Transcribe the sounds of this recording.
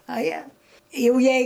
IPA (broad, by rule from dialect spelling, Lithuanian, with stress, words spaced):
ɐ ˈjiɛ ˈjɛʊ ˈjɛɪ